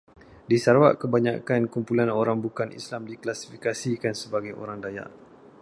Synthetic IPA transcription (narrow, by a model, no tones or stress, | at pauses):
disaɾwa̰ʔkəbaɲa̰kankumpulanoɾaŋbukanʔḭslamdiklasi̥fikasikansəbaɡajo̰ɾaŋdaja̰ʔ